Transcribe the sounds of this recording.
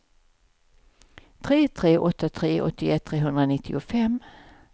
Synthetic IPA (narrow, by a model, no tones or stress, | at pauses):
t̪ʰɾeːt̪ʰɾeːʔɔt̪ːat̪ʰɾeːʔɔ̰t̪ʰːɪɛt̪ʰːɾeːɦɵnd̪ɾanɪt̪ʰːɪ̰ʊfɛm